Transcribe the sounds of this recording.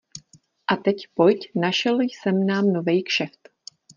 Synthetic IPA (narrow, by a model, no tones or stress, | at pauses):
ʔat̪ɛcpo̞jcnaʃɛljsɛmnaːmnovɛjkʃɛft̪